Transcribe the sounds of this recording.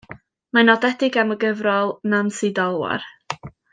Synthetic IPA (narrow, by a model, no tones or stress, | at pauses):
manɔdɛdɪɡaməɡəvrɔlˠnansidɔlˠwa̰r